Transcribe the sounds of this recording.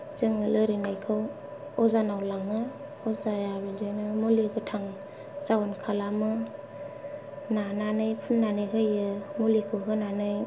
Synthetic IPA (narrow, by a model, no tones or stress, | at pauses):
zɯŋɯlɯɾinajkʰɯw | ɔzanawlaŋɯ | ɔzajabed͡ʒanɯmuliɡɯtʰaŋ | zawankʰalamɯ | nananɯjpʰunːanɯjɦɯjɯmulikʰɯwɦɯnanɯj